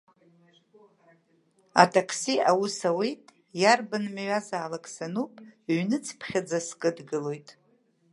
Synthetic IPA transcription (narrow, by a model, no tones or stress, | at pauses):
a̰tʰʼakʰsiawusawejtʼ | jarbɨnmɥazaːlakʼsanupʼɥnɨt͡sʰpʰχʲad͡zaskʼɨdɡɨlo̞jtʼ